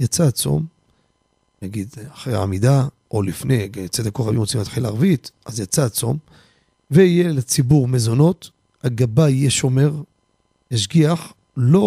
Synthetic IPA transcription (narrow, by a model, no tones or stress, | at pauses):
jat͡sat͡so̞̰m | naɡid̪aχʁeʕa̰mid̪a | ʔolifne̞at͡sed̪akoχajuot͡simat̪ħilaaʁvit̪ʔazjat͡sat͡so̞̰m | veijelet͡sibuʁmezo̞no̞t̪ | haɡabajijeʃo̞me̞ʁ | eʃ̬ɡiaħ | lo